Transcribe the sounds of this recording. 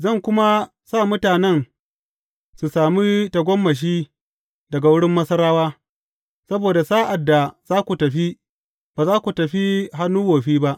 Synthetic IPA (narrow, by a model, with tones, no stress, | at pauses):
zɐ˦˨ŋkʷʊ˦ma˦ | saː˦˨mʊ˦taː˨nɛ˦n | su˨saː˨miː˦tɐ˨ɡʷɔ˦mːɐ˨ʃ̬iː˦ | dɐ˨ɡa˨wʊ˦ɽɪ˦mːɐ˦sɐ˦ɾaː˦waː˦ | sɐ˦boː˨da˨saː˦ʔa˨dːa˨z̥aː˦kʷu˨tɐ˨ɸi˦ | baː˨zaː˦kʷu˨tɐ˨ɸi˦ɦa˦nːuː˦woː˨ɸiː˦ba˦ʔ